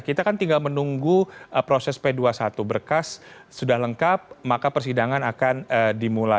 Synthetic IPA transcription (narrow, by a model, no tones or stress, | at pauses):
kit̪akant̪iŋɡalmənuŋɡuəpɾosɛspeduasat̪ubərkasː | udahləŋkap̚makapərsidaŋanakanədimula